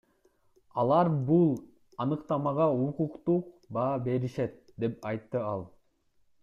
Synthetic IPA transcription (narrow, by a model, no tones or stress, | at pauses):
ɑlˠɑɾbulˠ | ɑnɯqt̪ɑmɑʁɑuquqt̪uq̚bɑːbe̞ɾiʃet̪̚ | d̪e̞pɑjt̪ːɯɑlˠ